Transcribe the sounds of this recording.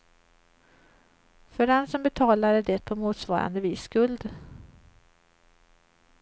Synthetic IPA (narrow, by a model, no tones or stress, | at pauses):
fœɾɛnsɔmbɛt̪ʰɑːlaɾɛɖɛt̪̚pʰɔmuːt̪svɑːɾa̰nd̪əviːskɵld̪